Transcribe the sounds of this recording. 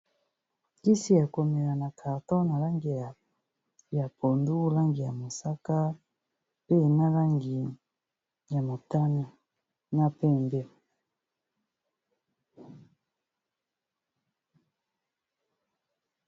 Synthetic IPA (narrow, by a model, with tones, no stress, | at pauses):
ki˦si˦ja˨ko˨mɛ˨la˨na˨kʰa˨tɔ˦na˨la˦ŋɡi˨ja˨ | ja˨po˨ndu˦la˦ŋɡi˨ja˨mo˨sa˦ka˦ | pe˦˨na˦la˦ŋɡi˨ | ja˨mo˨ta˦ni˨ | na˦pɛ˦˨mbe˦